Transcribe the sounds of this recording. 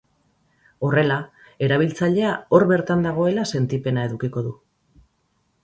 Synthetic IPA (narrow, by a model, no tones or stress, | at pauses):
o̞re̞la | e̞ɾaβ̞ilt͡saʎe̞ao̞ɾβe̞ɾt̪and̪aɣ̞o̞e̞lase̞nt̪ipe̞naeðukiko̞ðu